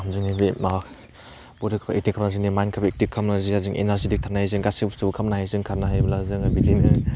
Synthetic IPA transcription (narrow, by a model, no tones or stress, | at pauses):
mzɯŋnibia | bɔdikʰbek̚tikʰːamnazinimajnkʰabɐek̚tikʰːamnazihazɯŋʔḛnaɾsidik̚tʰanaajzɯŋɡasibstubkʰɐmnahajzɯŋkʰaɾnaɦajbɐlazɯŋabizinɯ